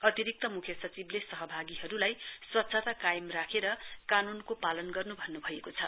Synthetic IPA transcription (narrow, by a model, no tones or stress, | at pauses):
ʌt̪iɾik̚t̪ʌmukʰjʌsʌt͡siblesʌɦʌbʱaɡiɦʌɾulajswʌt̪ːsʰat̪akajmrakʰeɾʌkanunkopalʌnɡʌrnubʱʌnːubʱʌjekot͡sʰʌ